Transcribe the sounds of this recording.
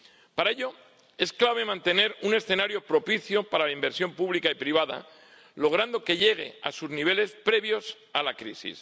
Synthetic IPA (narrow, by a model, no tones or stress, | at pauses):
paɾaeʎo̞ | e̞sklaβe̞mãnt̪e̞ne̞ɾune̞sθe̞naɾjo̞pɾo̞piθjo̞paɾalaimbe̞ɾsjo̞mpuβlikaipɾiβ̞aða̰ | lo̞ɣ̞ɾand̪o̞ke̞ʎe̞ɣ̞e̞̰a̰suzniβ̞e̞le̞spɾe̞βjo̞s | alakɾḭsḭs